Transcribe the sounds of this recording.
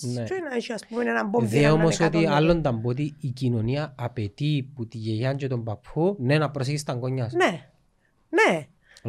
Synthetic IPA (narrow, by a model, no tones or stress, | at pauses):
nt͡ʃoinaiʃiaspumɛnɛnambɔðeomosot̪ialːont̪ambot̪̬iːkinoniaːpet̪iput̪ijejaɲd͡ʒot̪ompapʰːunɛnapɾos̬ekist̪aŋɡoɲːasnɛ | nɛ